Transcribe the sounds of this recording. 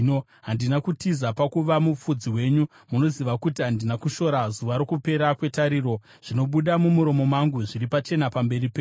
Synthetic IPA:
ɦandinakutizapakuʋamup͡fud͡ziwe̞ɲu | muno̞ziʋakutiɦandinakuʃo̞ɾazuʋaɾokupe̞ɾakwe̞taɾiɾo̞ | ʐ̥ino̞ɓuɗamumuɾo̞mo̞maŋɡuʐiɾipat͡ʃe̞napambe̞ripeː

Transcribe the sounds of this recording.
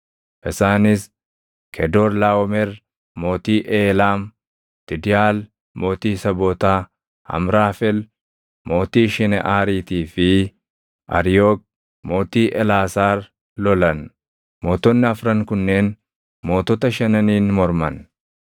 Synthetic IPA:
ʔɪsaːnɪs | kʰɛd̪oːɾlaːwɔmɛɾ | mo̞ːt̪iːʔeːlaːm | t̪ɪd̪ɪjaːl | mo̞ːt̪iːsɐboːt̪aː | ɐ̰mɾaːfɛl | mo̞ːt̪iːʃɛnɛ̰ʔaːɾiːt̪iːfɪ | ʔɐ̰ɾɪjoːk̚ | mo̞ːt̪iːʔɛlaːsaːɾ | lɔlɐn | mo̞ːt̪ɔnːɪɐfɾɐŋkʊnːe̞ːn | mo̞ːt̪ɔt̪ɐʃɐnɐniːnmɔɾmɐn

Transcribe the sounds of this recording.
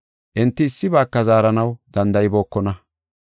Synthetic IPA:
ʔɪnt̪ːɪːsːɪbaːkːɐzaːɾɐnɐwd̪̥ɐnd̪ɐjɪbo̞ːkːɔnɐ

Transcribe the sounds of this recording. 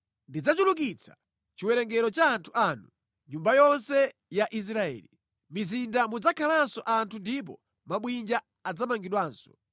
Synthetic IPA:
ndid͡zat͡ʃuluk̬it͡sʰḁ̰ | t͡ʃiwɛɾɛŋɡɛɾɔt͡ʃaːntʰuʔaːnu | ɲumbajɔnsɛ | jaʔis̬ɾaɛ̰ːli | mizindamud͡zakʰalansɔʔantʰundip̬ɔ̰ | maɓwind͡ʒaː | d͡zamaŋɡiɗwaːnsɔ

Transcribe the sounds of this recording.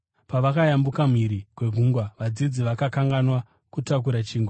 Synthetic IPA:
paʋakajambukam̤iɾikwe̞ɡʱuŋɡwaʋad͡zid͡ziʋakakaŋɡanwa | kutak̬uɾat͡ʃiːŋɡwa

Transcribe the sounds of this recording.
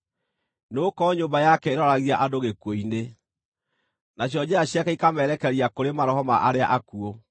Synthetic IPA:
noːkɔɲoːmbajakɛeɾɔɾaɣiaʔadoɣekwoine | naɕ̬jɔd͡ʑaaɕjakɛikamɛɾɛkɛɾiakoɾemaɾɔɦɔmaʔaɾeaʔakuo

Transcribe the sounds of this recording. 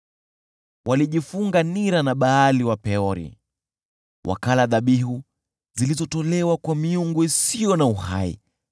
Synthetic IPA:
wʔaliʄifuŋɡaniɾanaɓaːliwapɛɔɾḭ | wʔa̰kalaðaɓihu | zilizɔtɔlɛwakwamiuŋɡuisiɔnauha̰ḭ

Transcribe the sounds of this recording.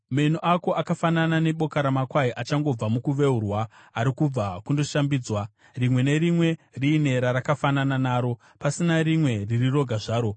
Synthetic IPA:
menoʔako̞ʔakafananane̞ɓo̞kaɾamakwaiʔat͡ʃaŋɡo̞b͡vamukuʋe̞urwaːɾikub͡vakundo̞ʃambid͡zwa | rimwe̞ne̞ɾimwe̞riːne̞ɾaɾakafanananaːɾo̞ | pasinaɾimwe̞ririro̞ɡʱaʐaːɾo̞

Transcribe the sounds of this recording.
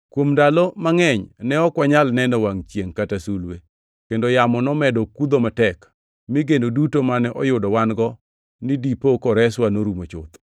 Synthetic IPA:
kwomndalɔmaŋɛɲnɛɔkwaɲalnɛnɔwaŋt͡ʃjeŋkatasulwe | kendojamɔnɔmɛdɔkud̪omatɛk | miɡenodutomanɛʔɔjʊdɔwanɡɔ | nidipokɔɾɛswanoɾumot͡ʃʊ̰t̪

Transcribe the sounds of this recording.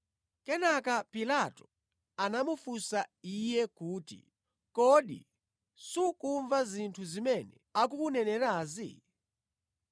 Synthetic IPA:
kɛnakapilatɔ̥ | anamufusaijɛkuːtḭ | kɔɗḭ | sukuɱvazintʰuzimɛnɛ̰ | ak̬ukunɛnɛɾaːzḭ

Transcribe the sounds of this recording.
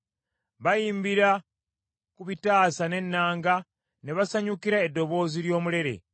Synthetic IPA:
βajiːmbiɾa | kuβitaːsane̞nːaːŋɡa | neβasaɲukiɾaedːo̞βo̞ːziɾjo̞ːmuɾe̞ɾe̞̰

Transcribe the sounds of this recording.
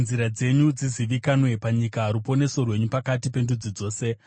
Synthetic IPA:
nziɾad͡ze̞ɲud͡ziziʋikanwe̞paɲikaːɾupo̞ne̞so̞rwe̞ɲupakatipe̞ndud͡zid͡zo̞ːse̞

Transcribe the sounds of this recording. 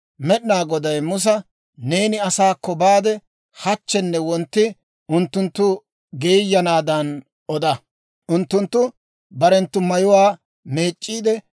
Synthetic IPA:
mɛɗɪnaːɡɔd̪ɐjmʊs̬ɐ | neːnɪɐsaːkːɔbaːd̪ɛ | hɐt͡ʃːɛnːɛwɔnt̪ːɪ | ʊnt̪ːʊnt̪ːʊ | ɡeːjːɐnaːd̪ɐn | ɔd̪ɐ | ʔʊnt̪ːʊnt̪ːʊ | bɐɾɛnt̪ːʊmɐjʊwaː | meːt͡ʃʼːiːd̪ɛ

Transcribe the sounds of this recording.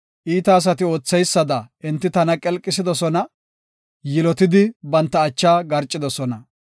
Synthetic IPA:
ʔiːt̪ɐːs̬ɐt̪ɪo̞ːt͡sːɛjsːɐd̪ɐɪnt̪ːɪt̪ɐnɐkʼɛlkʼːɪsɪd̪ɔsɔnɐ | jɪlɔt̪ɪd̪ɪbɐnt̪ːɐːt͡ʃːaːɡɐɾt͡ʃʼːɪd̪ɔsɔnɐ

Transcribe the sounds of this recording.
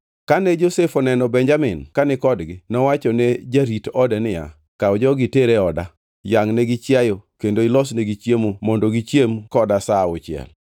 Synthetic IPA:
kanɛd͡ʒosefɔnɛnɔbɛɲd͡ʒamɪnkanɪkɔdɡɪnɔwat͡ʃɔned͡ʒaɾitɔdɛnɪja̰ | kaɔd͡ʒɔɡɪteɾeɔda | jaŋneɡɪt͡ʃjajokendoɪlɔsneɡit͡ʃjemomɔndoɡit͡ʃjemkɔdasaʊt͡ʃɪɛ̰l

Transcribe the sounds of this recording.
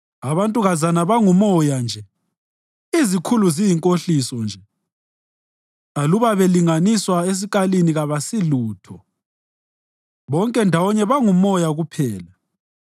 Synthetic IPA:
aβantʼuɣazanaβaŋumɔjand͡ʒʱɛ | izikʰuluzijiŋkʼoɬisɔnd͡ʒʱɛ | aluβaβeliŋaniswaes̬iɣaliniɣaβasiluːtʰɔ | βɔŋkʼɛndʱawɔɲɛβaŋumɔjaɣupʰɛːla

